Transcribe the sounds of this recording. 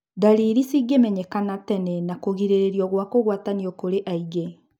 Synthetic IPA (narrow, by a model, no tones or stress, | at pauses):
daɾiɾisiɡemɛɲɛkanatɛnɛnakoɣiɾeɾeɾiɔɣwakoɣwataniɔkoɾeʔaiɡe